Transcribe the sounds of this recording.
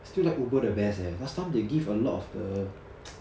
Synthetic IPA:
stilaɪkobədəbɛsɛdastʰãɪ̃mdeɡivəlɔtɔfdə

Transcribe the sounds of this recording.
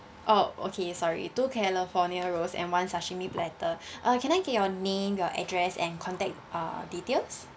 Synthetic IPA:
ʔoʔo̰kʰesɔɹḭtukʰɛlifɔniəɹosɛ̰̃nwãnsaʃĩmiplɛtəʔakʰɛ̃ñajɡɛt̚jɔnẽmjɔʔɛ̰dɹɛsɛ̰̃nkʰɔ̃ntɛk̚ʔa̰ditels

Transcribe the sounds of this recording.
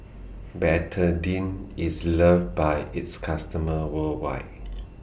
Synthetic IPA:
bɛtʰədĩnisləv̚bajitskʰastəməwəlwa̰ɪt

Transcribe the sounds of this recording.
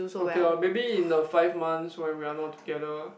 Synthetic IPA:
okeɔmebiĩndəfaɪfmãnswɛ̃nwianɔt̚tːu̥ɡɛdə

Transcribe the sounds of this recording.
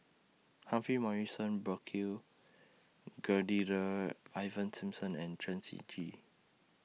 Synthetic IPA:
hãfimaɹisə̃nbəkʰi | ɡədiɹəaɪvə̃nsĩmsə̃nɛ̃ntʰɹɛ̃nsḭd͡ʒi

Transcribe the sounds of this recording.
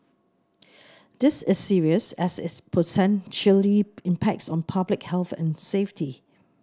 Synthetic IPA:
d̪̥ɪsɪsːiɹiəsɛsɪtspʰotɛ̃nʃəliɪ̃mpʰɛk̚tsɔ̃npʰablɪkhɛlˠθɛ̰̃nseftʰi

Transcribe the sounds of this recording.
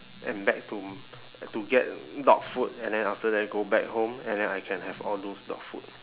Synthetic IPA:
ʔɛ̃nbɛk̚tu | tuɡɛt̚dɔ̰k̚fut̚ɛ̃ndɛ̃naftədɛt̚ɡobɛk̚hõmɛ̃ndɛ̃najkʰɛ̃nhɛvɔldosdɔ̰k̚fṵt̚

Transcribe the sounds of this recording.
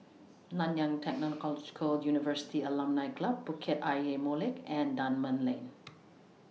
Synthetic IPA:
lãnjãŋtʰɛk̚nɔ̃nkɔlɔd͡ʒkʰəljunivəsi̥tiəlãmnajklab̚ːukʰɛtajemolɪkɛ̃ndãnmə̃nlẽn

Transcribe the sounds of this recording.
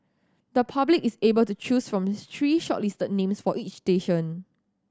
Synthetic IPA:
dəpʰablikisebəltut͡ʃusfɹɔ̃mt̪ʰɹiːʃɔ̰ʔlistət̚nẽmsfɔʔit͡ʃsteʃɔ̃n

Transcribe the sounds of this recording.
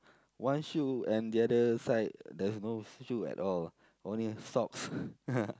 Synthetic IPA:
wãnʃuɛ̃ndiadəsaɪt̚dɛsnoʃuɛ̰tɔl | ʔõnlisɔks

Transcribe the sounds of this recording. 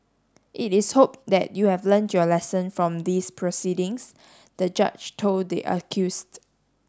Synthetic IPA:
ʔitɪshop̚d̪ɛ̰t̚juhɛvlə̃ntʰjɔlɛsə̃nfɹɔ̃md̪ispʰɹosidɪ̃ŋs | d̪̥əd͡ʒa̰t͡ʃtʰolddḛʔə̰kʰjust

